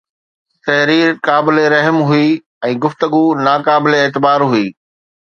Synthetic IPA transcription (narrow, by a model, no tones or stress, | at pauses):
t̪ɐɦɾiːɾkaːbɪleɾɐɦəmɦʊi | ɛ̃ːɡʊft̪əɡunaːkaːbɪleeːt̪ɪbaːɾɦuiː